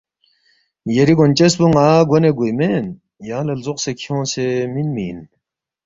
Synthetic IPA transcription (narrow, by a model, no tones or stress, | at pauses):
jɐɾiɡont͡ɕesbuŋaːɡoneɡujmen | jaːlɐlzoqsekʰiõːnseminmḭːn